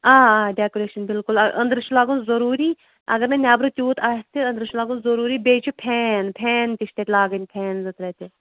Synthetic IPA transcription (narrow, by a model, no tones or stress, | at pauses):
aːaːɖʲaːkoɾeːʃɐnbɪlkʊlɐʔɐ̰nd̪ɾt͡ʃʰulaːɡunzɐɾuːɾiː | ɐ̰ɡəɾnenʲaːbɾuːt̪ʲuːt̪ʰaːt̪eɐnd̪ɾɨt͡ʃʰulaːɡunzɐɾuːɾiːbeːt͡ʃʰupʰɛːnpʰɛːnt̪iʃt̪eːt̪ʲlaːɡənʲpʰɛːnzɨt̪ɾɛːt̪e